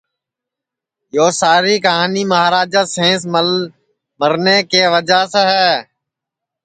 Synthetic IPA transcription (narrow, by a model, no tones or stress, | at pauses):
joːsaːɾiːkəɦaːniːməɦaːɾaːd͡ʒaːsẽːs̬ | məɾneːkeːʋəd͡ʒaːseɦɛː